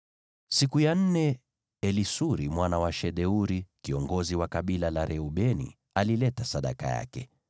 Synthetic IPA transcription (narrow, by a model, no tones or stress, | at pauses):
sikujan̩nɛ | ɛlisuɾimwanawaʃɛɗɛuɾikiɔŋɡɔziwakaɓilalaɾʔɛuɓɛnḭ | alilɛtasaɗa̰ka̰ja̰kɛ